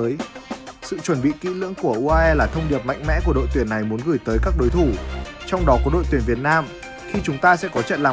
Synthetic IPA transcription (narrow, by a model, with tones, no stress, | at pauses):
jsɨ̰˧˨t͡ɕwə˧˩nɓḭ˧˨kḭ˧˥lɨ̰˧˥əŋku˧˩əʔu˧ʔaː˧ʔɛ˧laː˨˩t̪ʰə˧wŋ͡mɗi˨˩əp̚ma̰˧˨jŋ̟mɛ̰˧˥ku˧˩əɗo̰˧˨jt̪wi˨˧˩ənːa˨˩jmu˨˦nɣɨ˧˩jt̪əː˨˦jkaː˦˥k̚ɗo˨˦jt̪ʰu˧˩t͡ɕɔ˧wŋ͡mɗɔ˨˦kɔ˨˦ɗo̰˧˨t̪i˨˧˩ənvi˨˩ət̚naː˧m | xi˧t͡ɕʊ˨˦ŋ͡mt̪aː˧sɛ̰˧˥kɔ˨˦t͡ɕə̰˧˨nlaː˨˩